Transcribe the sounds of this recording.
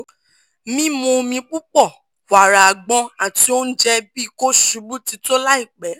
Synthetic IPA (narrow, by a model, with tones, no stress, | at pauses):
mĩ˦mõ˧mĩ˧k͡pu˦k͡pɔ˦˨ | wa˨ɾa˨a˨ɡ͡bɔ̃˧a˨ti˧˦o˦n̩˦d͡ʒɛ˦bi˦i˦˧˨ko˦ʃu˨˧˦bu˦ti˨˧to˦la˦i˦˨k͡pɛ˨˦